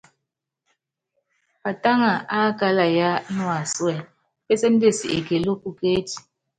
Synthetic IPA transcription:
pa˨ta˦ŋa˨ʔa˦ka˦la˨ja˦nwa˨swɛ˨ | pe˦sɛ˦n̩˦de˦˨si˨ʔḛ˨ke˨lo˦ku˨ke˦ti̥˨

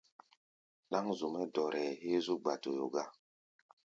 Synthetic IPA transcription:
la˦ŋzu˨mɛ˦dɔ˨ɾɛ˨he˦zu˦ɡ͡ba˨to˨jo̰˨ɡa˦

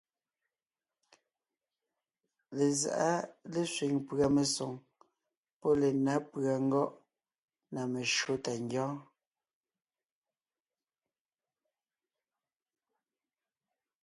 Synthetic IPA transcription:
le˨za̰˨ʔa˦le˨sɥi˨ŋpɰa˨me˨so˨ŋ | pɔ˦le˨na˨˦pɰa˨ŋ̩˦ɡɔ˦ʔ | na˨me˨ʃo˦ta˨ŋɡjɔ̃ː˦

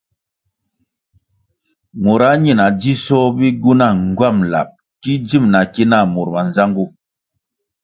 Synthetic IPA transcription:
mo˨ɾa˦ɲi˨na˨d͡ʒi˦sɔ˦bi˦ɡu˦na˦˨ŋ˨ɡwa˦˨mla̰˨p̚ | ki˦d͡ʒi˦˨mna˨ki˦na˦˨mu˨ɾma˨n˨za˦ŋɡu˦˨

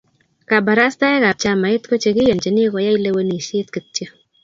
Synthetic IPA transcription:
ka˨ba˨ɾa˦sta˦ɛ˦ka˨p̚t͡ʃa˧˦ma˨ɪ˦tko˦t͡ʃe˧kɪ˦jo˨nt͡ʃe˨ni˦ko˨ja˦i˦le˧we˦ni˨ʃɪ˦tkɨ˨tt͡ʃjə˦

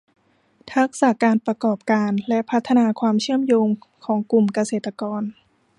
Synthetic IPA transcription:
t̪ʰa˦˥k̚saː˩˦kaː˧npɾa˧kɔː˨˩p̚kaː˧nlɛ˦˥ʔpʰa˦˥t̪ʰːa˧naː˧kʰwaː˧mt͡ɕʰɯ˥˩əmjoː˧mkʰɔː˩˦ŋku˨˩mka˧seː˨˩t̪ːa˧kɔː˧n

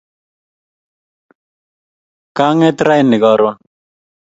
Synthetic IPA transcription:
kaː˦ŋe˦t̪ɾa˦jnːɪ˨ɡɔː˨ɾwa

